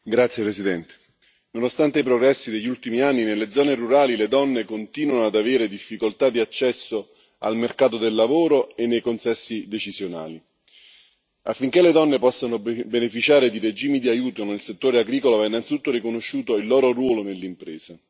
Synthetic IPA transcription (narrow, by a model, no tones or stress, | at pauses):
ɡɾat̪sjepɾesid̪ɛnt̪e̥ | nonost̪ant̪eipɾoɡɾɛsːid̪eʎːult̪imianːinelːed̪zːɔːneruɾaːliled̪ɔnːekont̪iːnwanoad̪aveːɾed̪ifːikolt̪ad̪iat͡ʃːɛsːo | a̰lmerkaːt̪od̪elːavoːɾoenːejkonsɛsːid̪et͡ʃizjona̰ːli | afːiŋk̟eled̪ɔnːepɔsːanobenefit͡ʃaːɾed̪ired͡ʒiːmid̪iajuːt̪onelset̪ːoːɾeaɡɾiːkolovɛinːant̪sit̪ut̪ːorɾikonoʃːuːt̪oilːɔːɾoɾwɔːlonelːimpɾeːsa